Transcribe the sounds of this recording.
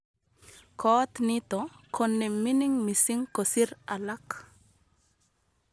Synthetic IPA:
kɔt̪nɪt̪ɔkʰonːeminɪŋmisiŋkosiɾalak

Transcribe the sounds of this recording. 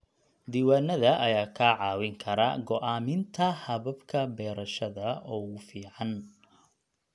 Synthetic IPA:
d̪iːwaːnɐðɐʔɐjaːkʰaːʕɑːwɪŋkʰɐɾɐ̰ɡɔʔaːmɪnt̪ʰɐhɐβɐbkʰɐbɛːɾɐʃɐðɐɔːʊfiːʕɑn

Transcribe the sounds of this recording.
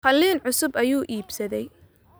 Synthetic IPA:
qɐlːiːnʕʊsʊbɐjuːʔiːbsɐðɛj

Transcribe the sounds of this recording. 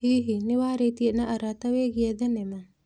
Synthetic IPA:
ɦiːɦiniʋaːɾeːt̪ijənəʔɐɾat̪ɐʋeːɡijɐd̪ənemə

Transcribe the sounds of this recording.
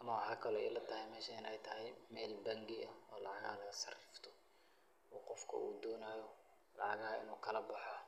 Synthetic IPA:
ʔɐmɐwɑħɑːkʰɐlɔɛjlɐt̪ʰɐɦɪjmɛːʃɐɪnɛjt̪ʰɐɦɛjmɛːlbɐŋɡɪɐɔːlɑʕɑɣɐ̰lɐɣɐsɐrɪft̪ʰɔ̥ | uːqɔfkʰɐ̰uːd̪ɔːnaːjɔ | lɑ̰ʕɑɣɐhɐɪ̰nuːkʰɐlɐbɑħɔ

